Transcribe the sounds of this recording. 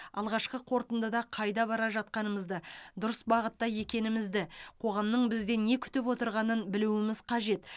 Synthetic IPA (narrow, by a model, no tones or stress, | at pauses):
ɑ̰lˠʁɑʃqəqʰo̞ɾt̪ənd̪əd̪ɑqʰɑjd̪ɑbɑɾɑʒɑt̪̚qɑnəməzd̪əd̪ʊɾəsbɑʁət̪ːɑje̞kʲe̞nɪmɪzd̪ɪqʰo̞ʁɑmnəɴbɪzd̪e̞ne̞kʲʰʏ̥t̪ɪpwo̞t̪əɾʁɑnənbɪluwɪmɪzqʰɑʒe̞t̪